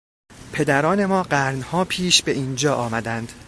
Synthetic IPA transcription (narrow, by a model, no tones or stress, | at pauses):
pʰe̞d̪æɾɒːne̞mɒːɢæɾnhɒːpʰiːʃbe̞ʔiːnd͡ʒɒːʔɒːmæd̪ænd̪̥